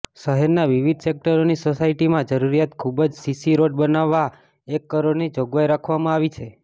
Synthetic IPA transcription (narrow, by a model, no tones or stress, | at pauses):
səɦeɾnaʋiʋid̪ʱsek̚ʈəɾonisosaiʈimãd͡ʒəɾuɾijat̪kʰubəd͡ʒsisiɾoɖ̚bənaʋːa | ekːəɾoɽnid͡ʒoɡʋajɾakʰʋamãaʋit͡ʃʰe